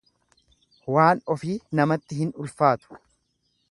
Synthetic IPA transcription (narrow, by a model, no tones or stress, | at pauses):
waːnɔfiːnɐmɐt̪ːɪɦɪnʊlfaːt̪ʊ̥